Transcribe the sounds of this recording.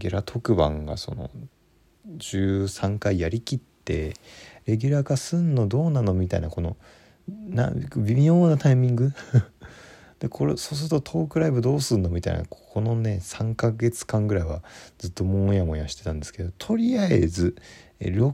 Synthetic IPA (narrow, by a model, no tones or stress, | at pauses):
ɡʲɾat̪ʰo̞kɯ̟bã̰ŋɡa̰so̞̰no̞̰ | d͡ʑɨːsãŋkaijaɾʲikʲit̪ːe̞ɾe̞ɡʲyɾaːkasɨnːod̪o̞ːnanomʲit̪aḭnako̞no̞̰ | na̰bʲimʲo̞ːnat̪aimʲĩŋɡɯ | d̪̥e̞kʰo̞ɾoso̞ːs̬ɨɾɯt̪ot̪ʰo̞ːkɯ̟ɾaibɯ̟d̪o̞ːsɨnːo̞mʲit̪a̰ḭna̰kokʰo̞no̞ne̞sãŋkaɡe̞t͡sɨ̥kãŋɡɯ̟ɾaiβazɨt̪ːo̞mõjamo̞jaɕi̥t̪e̞t̪ãnd̪e̞sɨ̥ke̞d̪o̞t̪ʰo̞ɾʲiaḛzɨɾo